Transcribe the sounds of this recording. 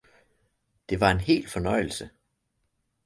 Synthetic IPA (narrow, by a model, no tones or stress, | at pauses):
d̥e̝ʋɑ̈e̝nhe̝̰ːl̥fɒ̽nɒɪ̰l̩sə